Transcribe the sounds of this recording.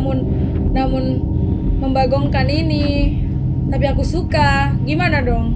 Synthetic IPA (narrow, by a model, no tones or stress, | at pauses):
mʊnː | amun | məmbaɡɔŋkanini | t̪ap̬iakusuka | ɡimanadɔŋ